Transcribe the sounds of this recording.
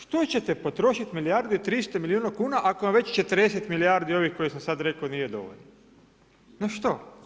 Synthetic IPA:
ʃt̪o̞t͡ɕet̪e̞po̞t̪ɾo̞ʃit̪milijaɾd̪it̪ɾist̪omiliuːnakuːnaʔakoamʋe̞t͡ɕt͡ʃe̞t̪əɾd̪eset̪miliaɾd̪io̞ʋixko̞jisamsad̪ɾe̞konije̞d̪o̞̰ʋo̰ʎno | noʃt̪o

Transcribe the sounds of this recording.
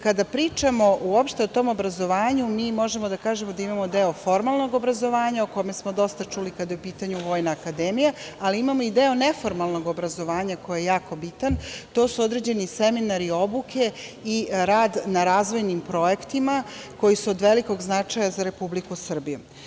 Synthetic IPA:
kad̪apɾiːt͡ʂamo̞ʔuopʃt̪eo̞t̪o̞ːmo̞bɾazo̞ʋaːɲumiːmo̞ʒemo̞d̪akaːʒemod̪aimamo̞d̪eo̞fo̞ɾmalˠno̞ɡo̞bɾazo̞ʋaːɲaoko̞me̞smo̞d̪o̞st̪at͡ʂuːlikad̪jeupiːt̪aɲuʋo̞ːjnaːkad̪emijaaliimamoid̪eo̞ne̞fo̞ɾmalˠno̞ɡo̞bɾazo̞ʋaːɲakojejaːko̞bit̪ant̪o̞ːsuod̪ɾe̞d͡ʑe̞niseminaɾio̞buke̞iɾaːd̪naɾaːzʋo̞jnimpɾo̞e̞kt̪imako̞jisuod̪ʋe̞liko̞ɡznat͡ʂajazaɾe̞publikusr̩bijṵ

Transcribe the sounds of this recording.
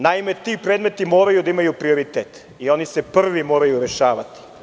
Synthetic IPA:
naime̞t̪iːpɾed̪me̞t̪imo̞ːɾajud̪aimajupɾioɾit̪eːt̪ | io̞nisepr̩ʋimo̞ːɾajuɾeʃaːʋa̰t̪i̥

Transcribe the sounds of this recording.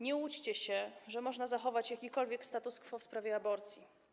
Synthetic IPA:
ɲɛut͡ɕt͡ɕɛɕɛʐɛmɔʐnazaxɔvat͡ɕjakʲikɔlvʲjɛkst̪at̪uskfɔfspɾavʲjɛabɔɾt̪sʲji

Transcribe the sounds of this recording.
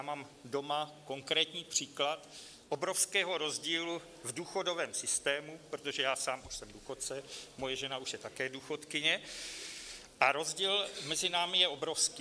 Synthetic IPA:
jaːmaːm | do̞mako̞ŋkɾɛːt̪ɲiːpr̝̥iːklat̪ | ʔobɾo̞fskɛːɦo̞ɾo̞zɟiːlu | vduːxo̞do̞vɛːmsɪst̪ɛːmupɾot̪o̞ʒɛjaːsaːmʔuʃsɛmduːxo̞tt͡sɛmo̞jɛʒɛnauʃjɛt̪akɛːduːxo̞t̪kɪɲɛ | ʔaɾo̞zɟiːlmɛzɪnaːmɪjɛobɾo̞fskː

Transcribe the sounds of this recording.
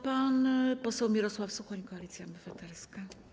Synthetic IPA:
panpɔsɛwmʲiɾɔswafsuxɔɲikɔalʲit̪sʲjabɨfat̪ɛɾska

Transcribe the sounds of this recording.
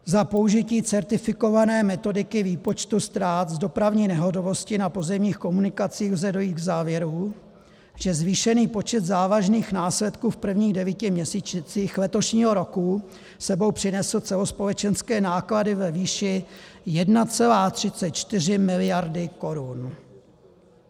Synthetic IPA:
zapo̞uʒɪciːt͡sɛɾt̪ɪfɪko̞vanɛːmɛt̪o̞dɪkɪviːpo̞t͡ʃt̪ust̪ɾaːt̪zdo̞pɾavɲiːnɛɦo̞t̪ovo̞scɪnapo̞zɛmɲiːxko̞munɪkat͡siːxzɛdo̞jiːt̪ɡzaːvjɛɾu | ʒ̥ɛzviːʃɛniːpo̞t͡ʃɛd̪zaːvaʒniːxnaːslɛt̪kuːfpr̩vɲiːɣdɛviːcɪmɲɛsiːt͡ʃt͡siːxlɛt̪o̞ʃɲiːɦoɾo̞ku | sɛbo̞wpr̥ɪnɛsl̩t͡sɛlo̞spo̞lɛt͡ʃɛnskɛːnaːkladɪvɛviːʃɪjɛdnat͡sɛlaːt̪r̝̥ɪt͡sɛt̪̚t͡ʃt̪ɪr̝ɪmɪlɪjaɾdɪko̞ɾun

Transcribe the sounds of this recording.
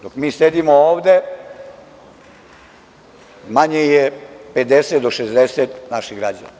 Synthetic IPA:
d̪okmiːsed̪imooːʋd̪e | maɲejeped̪eset̪d̪oʃezd̪eset̪naʃiɣɡɾad͡ʑa̰na

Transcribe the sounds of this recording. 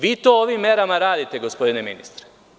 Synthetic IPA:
ʋiːt̪oːoʋimːeɾamaɾaːd̪it̪e̞ɡo̞spo̞d̪ineminḭst̪ɾe̥

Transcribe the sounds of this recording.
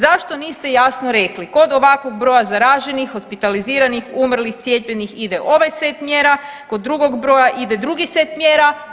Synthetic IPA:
zaʃt̪o̞niːst̪e̞jasnoɾe̞kliko̞d̪o̞ʋakʋo̞ɡ̚bɾo̞jazaɾaːʒe̞nixːo̞spit̪aliziːɾanixumr̩lixt̪sjepʎenixid̪e̞ʔo̞ʋajse̞t̪mjeɾa | ko̞d̪ːɾuɡo̞ɡbɾo̞jaʔid̪e̞d̪ɾuɡise̞t̪mje̞ːɾa

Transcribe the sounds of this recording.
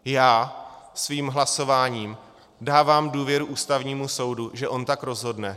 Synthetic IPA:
jaːsviːmɦlaso̞vaːɲiːm | daːvaːmduːvjɛɾuʔuːst̪avɲiːmuso̞wduʒɛʔo̞nt̪akɾo̞zɦo̞dnɛ

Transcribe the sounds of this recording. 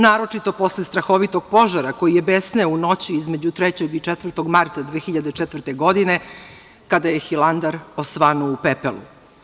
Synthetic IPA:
naːɾo̞t͡ʂit̪o̞po̞slest̪ɾaxo̞ʋit̪o̞ɡ̥̚po̞ʒaɾako̞jijebesnɛuno̞t͡ɕiizme̞d͡ʑut̪ɾet͡ɕeɡit͡ʂɛt̪ʋər̩t̪o̞ɡmaɾt̪ad̪ʋeːxiʎad̪et͡ʃɛt̪vr̩ɾt̪eɡo̞d̪ine̞ | kad̪ajexilˠand̪aɾosʋanoupepḛlṵ

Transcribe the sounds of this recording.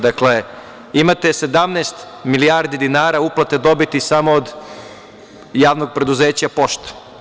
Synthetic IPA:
d̪akle̞ | imat̪e̞se̞d̪amneːst̪ | milijaːɾd̪id̪inaːɾauplˠat̪ed̪o̞bit̪isamo̞od̪ | jaːʋnoɡ̚pɾe̞d̪uzeːt͡ɕapo̞ʃt̪ḁ

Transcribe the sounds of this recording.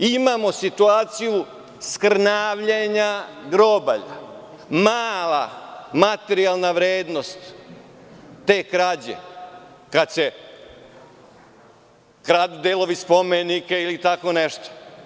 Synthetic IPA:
imamo̞sit̪uaːt̪siju | skɾnaːʋʎeɲaɡɾoba̰ʎa̰ | maːlˠamat̪eɾialˠnaʋɾeːd̪nost̪ | e̞ːkɾad͡ʑḛ | kad̪t͡ɕe | kɾad̪d̪elˠo̞ʋispo̞menikeilit̪ako̞neʃt̪o̥

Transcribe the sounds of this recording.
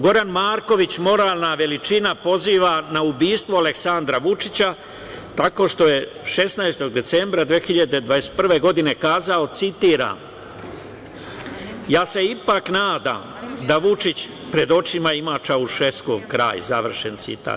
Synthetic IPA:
ɡo̞ɾanmaːɾko̞ʋit͡ɕmo̞ɾaːlˠnaʋe̞lit͡ʃinapo̞ziːʋanaubiːst̪ʋoaleksand̪ɾaʋut͡ʃit͡ɕa | t̪ako̞ːʃt̪o̞je̞ | ʃe̞snaest̪o̞ɡ̚d̪e̞t̪se̞mbɾad̪ʋexiʎad̪e̞d̪ʋaespr̩ʋe̞ɡo̞d̪ine̞kaːzao̞t̪sit̪iːɾa̰m | jaːse̞ipaknaːd̪a̰m | d̪aʋut͡ʃit͡ɕ | pɾe̞d̪o̞t͡ʃimaimat͡ʃauʃeskoɡkɾa̰ːjzaʋr̩ʃent̪sḭt̪a̰

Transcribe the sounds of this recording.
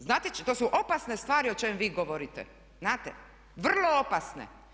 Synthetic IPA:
znaːt̪et͡ʃt̪oːsuʔo̞pasnest̪ʋaːɾiot͡ʃemmʋiːɡoʋoɾit̪ḛ | znaːt̪ḛ | ʋr̩lˠo̞opasnḛ

